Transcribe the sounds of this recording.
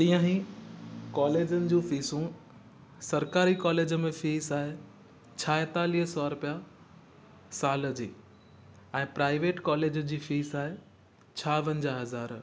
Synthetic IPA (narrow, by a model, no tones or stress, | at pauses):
t̪ĩjãɦĩ | kɔːleːd͡ʑənɪ̆d͡ʑũːfiːsũ | sɐɾkaːɾikɔːleːd͡ʑəmẽfiːsaːɦe | t͡ɕʰaːet̪aːliːɦəsɔaɾʊpja | saːlə̆d͡ʑiː | ɛ̃ːpɾaːɪʋeːʈkɔːleːd͡ʑd͡ʑiːfiːsaːɦe | t͡ɕʰaːʋɐ̃nd͡ʑaɦɐzaːɾ